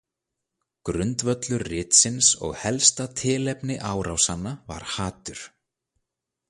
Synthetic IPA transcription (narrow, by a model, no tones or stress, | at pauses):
kɾʏnt̪vœt̪lʏrrɪːt̪sɪnsɔ̰ɣhɛlst̪at̪ʰɪːlɛpnɪʔaːwɾawsanːava̰ɾ̥haːt̪ʏɾ̥